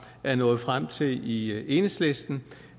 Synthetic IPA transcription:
æɐnɔ̽ːð̞̩ˠfʁam̰t͡sʰe̝lie̝ːnəsle̝sd̥n̩

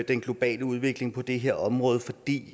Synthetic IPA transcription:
d̥enɡ̥lo̝b̥ɛ̰ːləuð̞ˠʋe̝ɡ̥le̝ŋpʰɒ̽d̥e̝ɦe̝ɐ̰ɒ̽mʁɔ̽ːð̞ˠfɒd̥ḭː

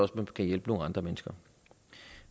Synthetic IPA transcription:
ɒ̽smænkʰæjelb̥ənoŋəɑ̈nd̥ʁɐmenəsɡ̥ɐ

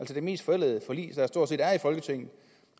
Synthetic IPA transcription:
ælsəd̥e̝me̝̰ːsd̥fɒ̽el̰ɛðˠəfɒ̽lḭːsd̥ɑsd̥o̝ɐse̝̰ːdæɐifɒ̽lɡ̥ət͡sʰeŋ̰n̩ˠ

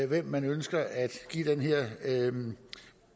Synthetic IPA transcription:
ʋem̰ːænønsɡ̥ɐʔæd̥ɡ̥ḭːd̥enɦeɐ̰

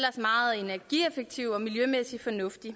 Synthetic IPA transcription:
lɐsmɑ̈ːð̩ˠe̝næɐɡ̥iefeɡ̥̚t͡sʰiʊ̰ɒ̽miljømesifɒ̽nɔ̽fd̥i

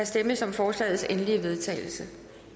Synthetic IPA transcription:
æsd̥eməsɒ̽mfɒːslɛ̰ːð̩ˠsenliəʋe̝ð̞ˠt͡sʰɛ̰ːɪl̩sə

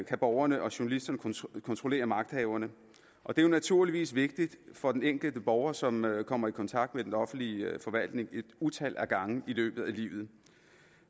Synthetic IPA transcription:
kʰæb̥ɒʊɐnəʔɒ̽ɕuɐnælisd̥ɐnəkʰɒnt͡sʰʁo̝le̝̰ːɐmɑ̈ɡ̥d̥hɛːʊɐnə | ʔɒ̽d̥e̝jonæt͡sʰuɐ̰liʋḭːsʋe̝ɡ̥̚d̥id̥fɒ̽d̥eneŋ̰ɡ̥l̩d̥əb̥ɒʊɐsɒ̽mkʰɒ̽m̰ɐikʰɒ̽nt͡sʰɑ̈ɡ̥d̥med̥enɒ̽fn̩lifɒ̽ʋæl̰d̥ne̝ŋe̝d̥ut͡sʰæl̰ʔæɡ̥ɑ̈ŋ̩ilø̰ːb̥ð̩ˠælḭːʊð̩ˠ

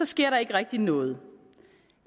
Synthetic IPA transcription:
ɒ̽sɡ̥e̝ɐ̰ɾɑ̈e̝ɡ̥əʁɛɡ̥̚d̥inɔ̽ːð̞̩ˠ

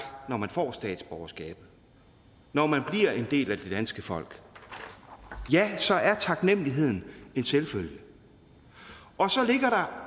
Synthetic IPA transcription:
nɒmænfɒ̰ːsd̥ɛ̰ːd̥sb̥ɒʊɐsɡ̥ɛ̰ːb̥ð̩ˠ | nɒmænb̥liɐ̰e̝nd̥e̝̰ːlæd̥e̝d̥ænsɡ̥əfɒ̽l̰ɡ̥ | jæsɒ̽ʔæɐt͡sʰɑ̈ɡ̥nem̰liɦe̝ð̞̰ˠn̩e̝nselføljə | ʔɒ̽sɒ̽le̝ɡ̥ɐɾɑ̈

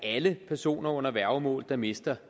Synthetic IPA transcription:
æləpʰæɐso̝̰ːnɐɔ̽n̰ɐʋæɐʊmɔ̰̽ːld̥ɑ̈me̝sd̥ɐ

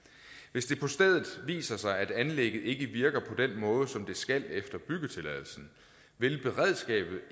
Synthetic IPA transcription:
ʋe̝sd̥e̝pʰɒ̽sd̥eð̰ˠð̩ˠʋḭːsɐsɑ̈ɪæd̥ænleɡ̥ð̩ˠe̝ɡ̥əʋiɐɡ̥ɐpʰɒ̽d̥enmɔ̽ːð̞ˠəsɒ̽md̥e̝sɡ̥æl̰efd̥ɐb̥yɡ̥ət͡sʰe̝læð̰ˠl̩sn̩ | ʋe̝lb̥e̝ʁɛð̰ˠsɡ̥ɛ̰ːb̥ð̞̩ˠ

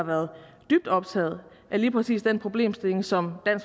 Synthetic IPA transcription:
ɑ̈ʋæɐðˠd̥yb̥̚d̥ɒ̽b̥̚t͡sʰɛ̰ːð̩ˠ | ʔæliːpʰʁɛsḭːsd̥enpʰʁo̝b̥le̝̰ːmsd̥e̝le̝ŋsɒ̽md̥æn̰s

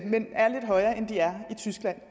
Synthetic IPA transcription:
menæɐle̝d̥ɦɒ̽ɪɐːʔend̥iæɐit͡sʰysɡ̥læn̰

